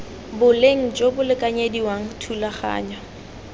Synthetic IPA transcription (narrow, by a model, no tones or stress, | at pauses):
bʊleŋ̩t͡ʃʼobʊlɪkʼaɲediwaŋ̩tʰulaχa̰ːɲa